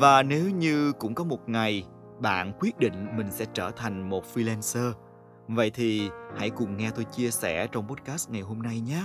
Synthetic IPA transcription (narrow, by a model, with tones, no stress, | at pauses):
vaː˨˩ne˨˦wɲɨ˧kʊ̰˧˥ŋ͡mkɔ˨˦mo˨˩t̚ŋa˨˩j | ɓa̰ː˧˨nkwi˦˥ət̚ɗḭ̈˧˨ŋ̟mï˨˩ŋ̟sɛ̰˧˥t͡ɕəː˧˩t̪ʰa˨˩jŋ̟mo˨˩t̚fi˧lɛ˧nsəː˧ | və̰˧˨jt̪ʰi˨˩ha̰˧˥jkʊ˨˩ŋ͡mŋɛ˧t̪o˧jt͡ɕi˧əsɛ̰˧˩t͡ɕɔ˧wŋ͡mɓo˦˥t̚kaː˦˥st̚ŋa˨˩jɦo˧mna˧jɲaː˨˦